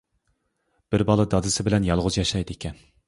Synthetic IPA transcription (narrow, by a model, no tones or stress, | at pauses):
b̥ɪɾbɑlˠɨd̪ɑd̪ɨsɪbɪlɛnjɑlˠʁʊzjɑʃɑjd̪ɪekʲʰɛn